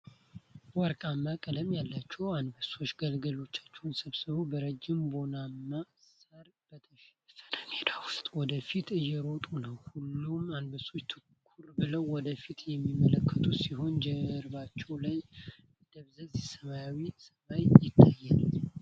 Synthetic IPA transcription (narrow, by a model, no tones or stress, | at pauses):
wɔɾkʼamːakʼələmjalːat͡ʃːɛwanbəso̞t͡ʃːɡəlɡəlo̞t͡ʃːḁt͡ʃːɛwnsəβsɨβəwbəɾəd͡ʒːɪmbo̞namːasaɾ | bət̪ʰəʃfənəned̪awʊst̪ʼwɔd̪əfit̪ɨjːɛɾo̞t̪ʼunəwhulːumanbəso̞t͡ʃːt̪ʰɨkʰːuɾbɨləwːɔd̪əfit̪jɛmːimːələkʰːət̪ʰusiɦo̞nd͡ʒɛɾbat͡ʃːɛwlaj | bd̪̥əβzəzisəβajawisəmajjɪt̪ʰːajːɛn